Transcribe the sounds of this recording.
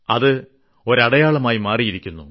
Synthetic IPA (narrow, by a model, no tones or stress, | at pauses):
ɐðɨ | o̞ɾɐɽɐjaːɭɐmaːjimaːrijiɾikʲːunːu